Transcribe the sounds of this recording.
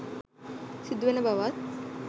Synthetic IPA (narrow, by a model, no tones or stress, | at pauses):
sid̪ʋɐnɐbʱaʋat̪̚